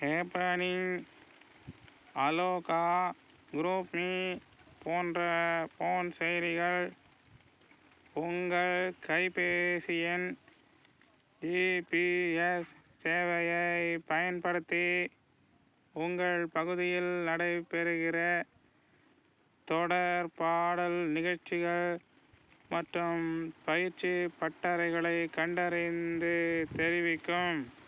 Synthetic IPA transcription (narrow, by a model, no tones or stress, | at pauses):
eːpɾanɪŋ | ɐloːkaː | ɡʊɾuːpmi | poːndrɐpoːnsɛjɾɪɣɐɭ | ʊŋɡɐɭkɐɪpeːsɪjɛn | d͡ʒipiɛsseːʋɐjɐɪpɐjɐnpɐɽɯt̪ːi | ʊŋɡɐɭpɐɣɯðɪjɪlnɐɽɐɪpɛɾɯɣɪrɐ | t̪ɔɽɐɾpaːɽɐlnɪɣɐɻt͡ʃɪɣɐɭ | mɐʈrɯmpɐjɪɾt͡ʃipɐʈːɐɾɐɪɣɐɭɐɪkːɐɳɖɐɾɪnd̪ɯt̪ɛɾɪʋɪkːɯm